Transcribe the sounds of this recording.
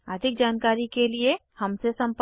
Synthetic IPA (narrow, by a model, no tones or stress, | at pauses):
ɐd̪ʱɪk̚d͡ʒaːnkaːɾikelie | hɐmsesɐ̃mp